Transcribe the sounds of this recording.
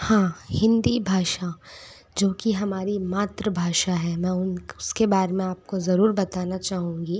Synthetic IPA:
hãːhɪ̃nd̪ibʱaːʃa | d͡ʒoːkiɦɐmaːɾimaːt̪ɾəbʱaːʃaɦɛmɛ̃ːʊnʊskebaːɾemẽaːp̚kozɐɾuːɾbɐt̪aːnat͡ʃaːɦũːŋɡi

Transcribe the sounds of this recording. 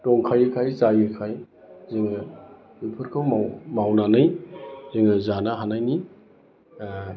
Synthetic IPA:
tɔŋkʰajɯkʰajsajɯkʰaj | ziŋɯ | upʰɯɾkʰɯwmamawnanɯjziŋɯzanaɦanajni

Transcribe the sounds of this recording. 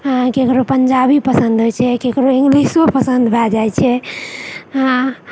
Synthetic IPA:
kekɾopəɲd͡ʒabipəsənd̪ɦojt͡ʃʰɛkekɾoiŋɡlisopəsə̃nd̪bʱad͡ʒajt͡ʃʰɛ | ã

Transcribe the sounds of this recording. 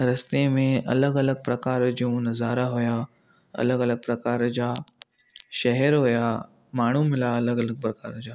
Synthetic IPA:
ɾɐst̪emẽʔɐ̰ləɡɐləɡ̚pɾɐkaːɾd͡ʑiũnɐzaːɾaɦuja | ɐ̰ləɡɐləɡ̚pɾɐkaːɾd͡ʑaː | ʃɛɦɛɾɦʊjaː | maːɽ̤umɪlaɐləɡɐləɡ̚pɾɐka̰ːɾd͡ʑaː

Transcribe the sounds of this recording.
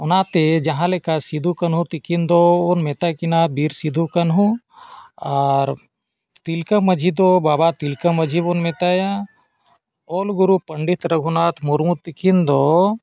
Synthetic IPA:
ʊnaːt̪ed͡ʒɐɦãlekasid̪ʱukɐnɦũt̪ikind̪oːnmet̪akinaːt̪̚biɾsid̪ʱukɐnɦũ | aːɾ | t̪ilkəmɐd͡ʒʱid̪obaːbat̪ilkɐmɐd͡ʒʱibonmet̪aja | oːlɡuɾupɐɳɖit̪ɾɐɡʱunaːt̪ʰmuɾmut̪ːikind̪o

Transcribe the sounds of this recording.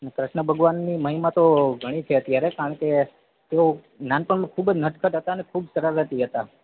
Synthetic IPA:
ənekɾɪʃɳəbʱəɡʋanːiməɦimat̪oɡʱəɽ̃it͡ʃʰeət̪jaɾekaɾəɳke | t̪eo | nanpəɳmãkʰubd͡ʒnəʈ̪kʰət̪ɦət̪aənekʰubsəɾaɾɦət̪iɦət̪a

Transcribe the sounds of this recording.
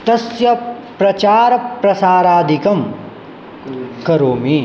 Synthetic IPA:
t̪ɐsjɐ | pɾɐt͡ʃaːɾɐpɾɐsaːɾaːd̪ʱikɐm | kɐɾoːmi

